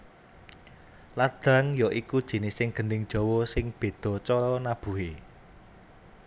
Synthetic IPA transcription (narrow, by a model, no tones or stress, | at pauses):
lad̪̥a̤ŋjɔʔikud̥ʒ̥i̤nɪsɪŋɡ̥ə̤nɪŋd̥ʒ̥ɔ̤wɔsɪŋb̥e̤d̪̥ɔ̤t͡ʃɔnab̥ṳɦe